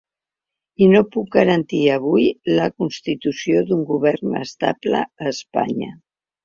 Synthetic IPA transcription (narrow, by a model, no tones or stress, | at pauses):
inopuk̚ɡəɾənt̪iəβujləkunst̪it̪usjoðuŋɡuβɛɾnə̰st̪a̰plə̰ːspa̰ɲə̰